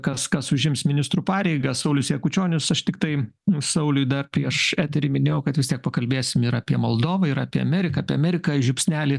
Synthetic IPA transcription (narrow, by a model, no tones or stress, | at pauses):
kɐskɐsʊʒʲɪmsmʲɪnʲɪst̪ɾuːpɑːɾʲɛɪɡɐsɐʊlʲʊsjɛkʊt͡ʃʲoːnʲʊsɐʃt̪ʲɪkt̪ɐɪ | sɐʊlʲʊjd̪ɐrpʲɾʲiɛʃæːt̪ʲɛɾʲiːmʲɪnʲeːjɛʊkɐt̪ʋʲɪst̪ʲiɛk̚pɐkɐlʲbʲeːsʲɪmɪɾɐːpʲiɛmolˠd̪oːʋɐɪɾɐːpʲiɛɐmʲɛːɾʲɪkɐːpʲiɛɐmʲɛɾʲɪkɐʒʲʊpʲsʲnʲæːlʲɪ